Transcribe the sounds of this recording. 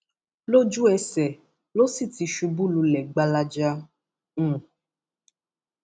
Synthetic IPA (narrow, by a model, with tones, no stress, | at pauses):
lo˦d͡ʒu˦ɛ˧sɛ˨ | lo˦si˦˨ti˨ʃu˧bu˦lu˧lɛ˨ɡ͡ba˧la˧d͡ʒã˦˨